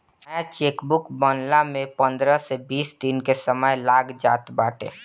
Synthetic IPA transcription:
t͡ʃeːkbʊkbənlamẽpə̃nd̪ɾəsebiːsd̪inkesəməjlaːɡd͡ʒaːt̪baːʈḛː

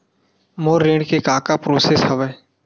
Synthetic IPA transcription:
moːɾːẽːɖkekaːkapɾoːsesɦɐʋɛː

